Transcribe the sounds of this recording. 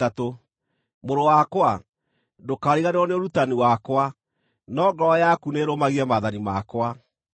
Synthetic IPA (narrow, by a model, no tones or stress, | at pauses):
ato | moɾowakwa | dokaːɾiɣaneɾɔneoɾutaniwakwa | nɔːɡɔjakuneːɾomaɣiɛmaðanimakwa